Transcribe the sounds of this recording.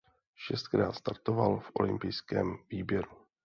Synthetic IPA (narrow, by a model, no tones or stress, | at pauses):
ʃɛst̪̚kɾaːt̪st̪aɾt̪ovalfʔo̞̰lɪmpɪjskɛːmviːbjɛɾu